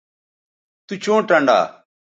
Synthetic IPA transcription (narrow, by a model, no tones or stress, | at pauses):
t̪ut͡ʃõːʈə̃ɳɖa̰ː